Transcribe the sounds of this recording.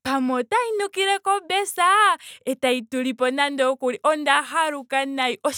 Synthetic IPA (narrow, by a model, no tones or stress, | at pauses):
pamotainukiɾɛkɔbɛsaetaituɾipɔnandɔkuɾiʔɔndaɦaɾukanajʔɔ